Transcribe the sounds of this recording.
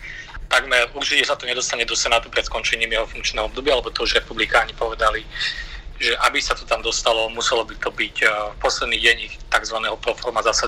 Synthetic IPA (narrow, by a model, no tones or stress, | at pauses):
t̪aɡmɛɾuɾt͡ʃicɛsat̪ɔɲɛd̪ɔst̪aɲɛd̪ɔsɛnaːt̪upɾɛt̪skɔnt͡ʃɛɲiːmjɛɦɔfuŋk̚t͡ʃnɛːɦɔɔbd̪ɔbɪaalɛbɔt̪ɔuʒɾɛpublikaːɲɛpɔʋɛd̪ali | ʒɛʔabisat̪ɔt̪amd̪ɔst̪alɔmusɛlɔbit̪ɔbicfpɔslɛd̪niːɟɛɲixt̪aɡzʋanɛːɦɔpɾɔfɔɾmazasa